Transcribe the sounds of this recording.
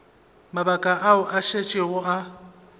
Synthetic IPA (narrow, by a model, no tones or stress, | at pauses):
mabakʼaʔaʊʔaʃet͡ʃʼɪɣʊa